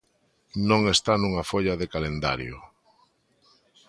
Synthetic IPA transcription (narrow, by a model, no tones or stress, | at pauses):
nõŋest̪anuŋafoʎaðekalend̪a̰ɾjʊ̰